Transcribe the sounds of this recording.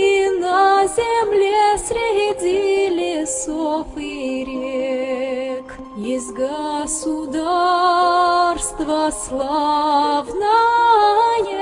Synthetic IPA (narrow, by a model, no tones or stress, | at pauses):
inɐzʲemlʲesɾʲɪɦʲedʲilʲɪsofiɾʲe | k | jɪsʲt̪ʲɡəsʊd̪a | rst̪vəslˠa | vna | jɛ